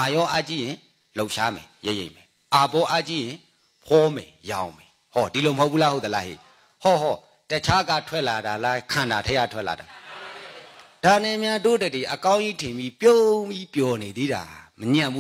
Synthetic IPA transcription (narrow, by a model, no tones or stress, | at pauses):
ʔajɔʔat͡ɕijɪ̃ | loʔʃamɛ̰jeʔjḛ̃mɛ | ʔapɔʔat͡ɕijɪ̃ | pʰɔmɛjãʊ̃mɛ | hɔdiloməhoʊpʰːulahot̪̚əlahḭ | hɔɦɔ | tət͡ɕʰaɡa̰tʰwɛʔlaɾalakʰãndatʰɛɡa̰tʰwɛʔla̰da | d̥anɛmjadodəd̪iʔəkãʊ̃ʔitʰɪ̃mbipjõmbipjɔned̪iɾa̰məɲãmbu